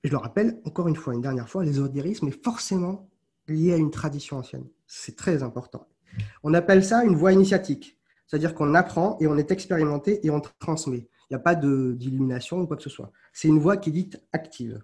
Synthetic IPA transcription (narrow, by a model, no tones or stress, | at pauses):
ʒələʁapɛlɑ̃kɔʁynfwaynd̪ɛʁnjɛʁfwalezɔd̪eʁismɛfɔʁsemɑ̃ | ljeaynt̪χad̪isjɔ̃ɑ̃sjɛ̰n | ssɛt̪χɛzɛ̃pɔʁt̪ɑ̰̃ | ɔ̃napɛlsaynvwainisjat̪ʰik | sɛ̥t̪ad̪iʁkɔ̃napχɑ̃ʔeɔ̃nɛt̪ɛkspeʁimɑ̃t̪eʔeɔ̃t̪χɑ̃smɛ | iljapad̪əd̪ilyminasjɔ̃ukwaksəswa̰ | sɛt̪ynvwakʲied̪it̪akt̪ʰiv